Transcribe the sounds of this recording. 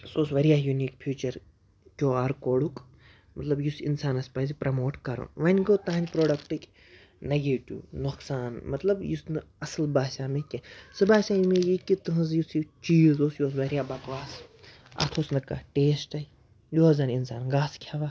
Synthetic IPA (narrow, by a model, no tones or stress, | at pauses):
soːsʋɐɾijaːjuniːkpʰjuːt͡ʃɐɾ | kʲoːaːɾkoːɽuk | mɐt̪lɐbjusinsaːnɐspɐzipɾɐmoːʈkɐɾṵnʋɐnʲɡoːt̪aːnʲpɾoːɖɐkʈɨkʲ | nɐɡiʈʲṵnoksaːnmɐt̪lɐbjusnɨ | ɐsɨlbaːsaːmekʲɐsɨbaːsaːjimejikit̪ɨɦɐ̃zjusit͡ʃiːzoːsjoːs̬ʋɐɾijaːbɐkʋaːs | ɐ̰t̪ʰoːsnɨkɐ̰ʈeːsʈɐi | joːɐzɐninsaːnɡaːskʰʲɐʋa